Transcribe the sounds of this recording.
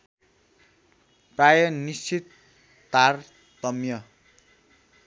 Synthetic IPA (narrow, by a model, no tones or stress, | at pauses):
prajʌnist͡sʰit̪ː | ar | t̪ʌmjʌ